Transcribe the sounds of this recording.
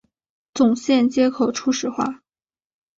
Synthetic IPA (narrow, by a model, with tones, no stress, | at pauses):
t͡sʊ˨˩ŋɕjɛ˥˩nt͡ɕjɛ˥kʰo˨˩ʊʈ͡ʂʰu˥ʂɻ̩˨˩xwa̰˥˩